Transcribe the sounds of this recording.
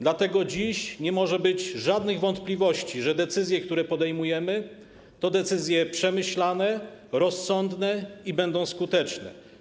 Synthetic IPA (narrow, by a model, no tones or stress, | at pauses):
d̪lat̪ɛɡɔd͡ʑiɕɲɛmɔʐɛbɘd͡ʑʐad̪nɘɣvɔnt̪plʲivɔɕt͡ɕiʐɛd̪ɛt̪sɘzʲjɛk̚t̪uɾɛpɔd̪ɛjmujɛmɘ | t̪ɔd̪ɛt̪sɘzʲjɛpʂɛmɘɕlanɛɾɔsːɔnd̪nɛibɛnd̪ɔ̃w̃skut̪ɛt͡ʂnɛ̰